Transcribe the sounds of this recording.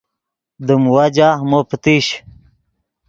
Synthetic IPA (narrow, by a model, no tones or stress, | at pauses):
d̪əmwad͡ʑamopt̪iɕ